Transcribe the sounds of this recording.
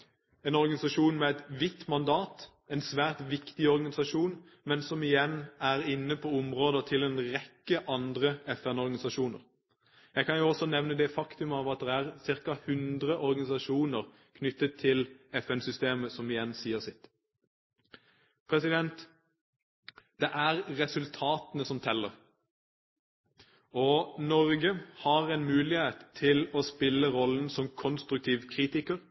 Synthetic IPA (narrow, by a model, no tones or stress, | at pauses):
ɛːnɔʁɡɑnɪsɑʃuːnmɛɛt̪ʋɪt̪ːmɑnd̪ɑːt̪ | ɛnsʋæːʁt̪ʋɪkt̪ɪɔʁɡɑnɪsɑʃuːn | mɛnsɔmɪjɛnːæʁɪnːəpʰɔʊmʁoːd̪ət̪ʰɪlɛːnʁɛkːəʔɑnd̪ʁəɛfɛnɔɾɡɑnɪsɑʃuːnə̰ʁ | jæɪkɑnjʊɔsɔnɛʋnəd̪ɛfɑkt̪ʉmɑːʋɑt̪̚d̪ɛæʁsɪʁkɑhʉnd̪ʁəʔɔɾɡɑnɪsɑʃuːnəʁ | kʰnʏt̪ːət̪ʰːɪlɛfɛnsʏst̪eːməsɔmɪjɛnsiːəʁsɪt̪ | pʰɾɛsɪd̪ɛnt̪ | d̪̥ɛʔæʁʁɛsʉlt̪ʰɑːt̪nəsɔmt̪ʰɛlːəʁ | ɔnɔʁɡəhɑʁɛɪnmʉːlɪheːt̪ʰːɪlɔspɪlːəɾɔlːən̩sɔmkʰɔnst̪ɾʉk̚t̪ʰiːʋkʰʁiːt̪ɪkəʁ